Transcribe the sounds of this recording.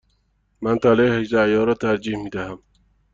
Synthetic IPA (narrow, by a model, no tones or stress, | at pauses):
mænt̪ʰæleːhed͡ʒd̪æjɒːɾɒːt̪ʰæɾd͡ʒiːhmiːd̪æhæm